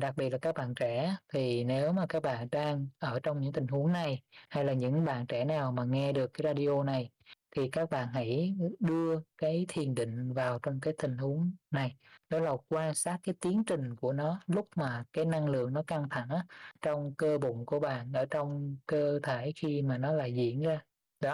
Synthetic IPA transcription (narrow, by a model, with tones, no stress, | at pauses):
ɗa˨˩k̚ɓi˨˩t̚laː˨˩kːaː˦˥k̚ɓa̰ː˧˨nt͡ɕɛ˧˩t̪ʰi˨˩ne˨˦wmaː˨˩kaː˦˥k̚ɓa̰ː˧˨nɗaː˧ŋʔəː˧˩t͡ɕɔ˧wŋ͡mɲɨ̰˧˥ŋt̪i˨˩ŋ̟hu˨˦əŋna˨˩jha˧jlaː˨˩ɲɨ̰˧˥ŋɓa̰ː˧˨nt͡ɕɛ˧˩naː˨˩wmaː˨˩ŋɛ˧ɗɨ˨˩əkːaː˨˦jzaː˧ɗi˧ʔo˧na˨˩j | t̪ʰi˨˩kaː˦˥k̚ɓa̰ː˧˨nɦa̰˧˥jɗɨ˧əkaː˨˦jt̪ʰi˨˩ənɗḭ̈˧˨ŋ̟vaː˨˩wt͡ɕɔ˧wŋ͡mk̬aː˨˦jt̪ï˨˩ŋ̟hu˨˦əŋna˨˩jɗɔ˨˦la˨˩kwaː˧nsaː˦˥t̚kːaː˨˦jt̪i˨˦ənt͡ɕï˨˩ŋ̟ku˧˩ənɔ˨˦lʊ˦˥k͡p̚maː˨˩kaː˨˦jna˧ŋlɨ̰˧˨əŋnɔ˨˦ka˧ŋt̪ʰa˧˩ŋʔaː˨˦t͡ɕɔ˧wŋ͡mkəː˧ɓʊ̰˧˨ŋ͡mku˧˩əɓa̰ː˧˨nʔəː˧˩t͡ɕɔ˧wŋ͡mkəː˧t̪ʰe˧˩xi˧maː˨˩nɔ˨˦la̰ː˧˨jzḭ˧˥ənzaː˧ | ɗɔ˨˦